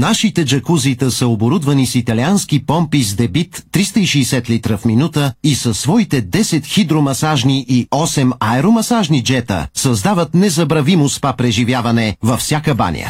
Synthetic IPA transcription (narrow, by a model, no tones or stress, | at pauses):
naʃit̪ɛd͡ʒɐkuzit̪əsəoboɾud̪vɐnisit̪ɐlianskipɔmpizd̪ɛbit̪ːɾist̪əiʃɛːsɛt̪lit̪ɾəfminut̪əisɐsːvɔit̪ɛd̪ɛsɛt̪xid̪ɾomɐsaʒniʔiɔsɛmaɛɾomɐsaʒnid͡ʒɛt̪ə̰sɐzd̪avət̪nɛzɐbɾɐvimospapɾɛʒivʲjavɐnɛvɐfsʲjakəba̰nʲjə̰